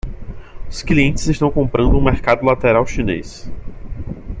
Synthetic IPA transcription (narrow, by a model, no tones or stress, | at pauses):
ʊskliẽnt͡ʃɪzɪʃt̪ɐ̃w̃kõpɾɐ̃nd̪ʊũmeɾkad̪ʊlat̪eɾawʃinḛs